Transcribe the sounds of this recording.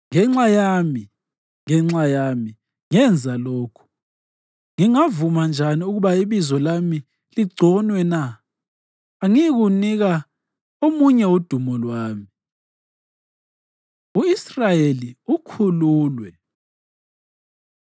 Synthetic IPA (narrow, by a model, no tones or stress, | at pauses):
ŋɛŋ͡ǁajami | ŋɛŋ͡ǁajami | ŋɛnd͡zʱaloːkʰu̥ | ŋiŋavumand͡ʒʱaniuɣuβaiβizɔlami | liɡ͡ǀʱɔnwɛna | ŋiɣuniɣa | omuɲɛud̥ʱumɔlwaːmi | uisrajeliukʰuluːlwɛ